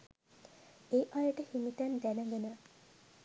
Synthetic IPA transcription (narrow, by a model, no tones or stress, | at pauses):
eʔajəʈəhimit̪ænd̪ænəŋɡenə